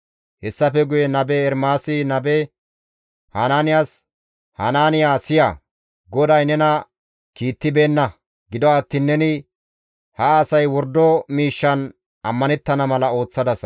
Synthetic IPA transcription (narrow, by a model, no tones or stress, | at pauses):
hɛsːɐfɛɡʊjɛnɐbɛːɾmaːsɪnɐbɛ | hanaːnɪjaːs | hanaːnɪjaːsɪja̰ | ɡɔd̪ɐjnɛnɐ | kiːt̪ːɪbe̞ːnːɐ | ɡɪd̪ɔat̪ːɪnːɛnɪ | hɐːsɐjwɔɾd̪ːɔmiːʃːɐn | ʔɐmːɐnɛt̪ːɐnɐmɐlɐo̞ːt͡sːɐd̪ɐs